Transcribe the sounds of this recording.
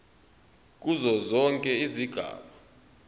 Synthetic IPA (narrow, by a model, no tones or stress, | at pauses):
k̬ʼuzɔzɔŋkʼɛiziɡ̥ʱa̰ːɓa